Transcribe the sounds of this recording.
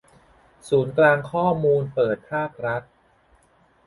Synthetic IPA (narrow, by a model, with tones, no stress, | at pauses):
suː˩˦nklaː˧ŋkʰɔː˥˩muː˧npɤː˨˩t̪̚pʰaː˥˩k̚ɾa˦˥t̪̚